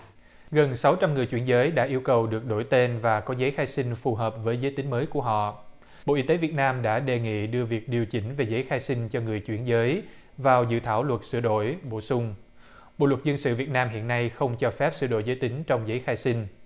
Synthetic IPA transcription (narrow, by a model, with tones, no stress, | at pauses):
ɣə˨˩nsa˨˦wt͡ɕa˧mŋɨ˨˩əjt͡ɕwi˧˩ənzəː˨˦jɗa̰ː˧˥ʔi˧əwkə˨˩wɗɨ˨˩ək̚ɗo˧˩jt̪e˧nvaː˨˩kɔ˨˦zə˨˦jxaː˧jsï˧ŋ̟fu˨˩ɦəː˨˩p̚vəː˨˦jzəː˨˦jt̪ï˨˦ŋ̟məː˨˦jku˧˩əɦɔ̰˧˨ | ɓo̰˧˨ʔi˧t̪e˨˦vi˨˩ət̚naː˧mɗa̰ː˧˥ɗe˨˩ŋḭ˧˨ɗɨ˧əvi˨˩ək̚ɗi˨˩əwt͡ɕï˨˦ŋ̟ve˨˩zəː˨˦jxaː˧jsi˧ŋ̟t͡ɕɔ˧ŋɨ˨˩əjt͡ɕwi˧˩ənzəː˨˦j | vaː˨˩wzɨ̰˧˨t̪ʰaː˧˩wlwə˨˩t̚sɨ̰˧˩əɗo̰˧˨jɓo˧˩sʊ˧ŋ͡m | ɓo̰˧˨lwə˨˩t̚zə˧nsɨ̰˧˨vi˨˩ət̚naː˧mɦḭ˧˨ənːa˧jxə˧wŋ͡mt͡ɕɔ˧fɛ˦˥p̚sɨ̰˧˩ɗo̰˧˨jzəː˨˦jt̪ï˨˦ŋ̟t͡ɕɔ˧wŋ͡mzə˨˦jxaː˧jsi˧ŋ̟